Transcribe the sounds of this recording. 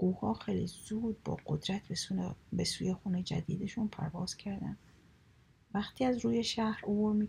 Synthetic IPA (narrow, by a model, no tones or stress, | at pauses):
ɡ̥uːhɒːxejlizuːd̪̚bɒ̰ːɡod̪ɾæt̪ʰbbesuːje̞xuːned͡ʒæ̰d̪iːd̪eʃunpʰæ̰ɾvɒːz̥cʰæɾd̪æ̰n | væxt̪ʰiːæzɾuːje̞ʃæhɾoboɾmi